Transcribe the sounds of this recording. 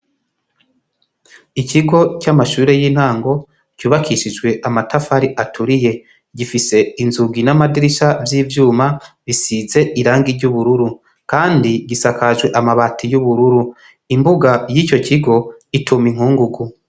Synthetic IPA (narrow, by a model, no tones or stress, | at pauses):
iciɡo̞camaʃuːɾe̞jiːn̥haːŋɡo̞ | cuːβakʰiʃid͡ʒɡwe̞ʔamatʰafaɾiʔatʰuɾije̞ | ɟifise̞inzuɡinamadiɾiʃavjiːvjuːmaβisize̞ʔiɾaːŋɡiɾɟuβuɾuɾu | kaːndiɟisakʰaʒɡwe̞ʔamaβatijuβuɾuɾu | imbuɡajiːco̞ciɡo̞itʰumiŋ̥huːŋɡuɡu